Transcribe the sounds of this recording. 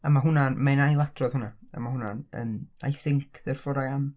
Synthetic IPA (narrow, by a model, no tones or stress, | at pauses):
amaɦʊnamanajlˠatʰrɔð̥hʊnaa̰mahʊnanə̰na̰jθɪŋkʰðɛrfɔdajam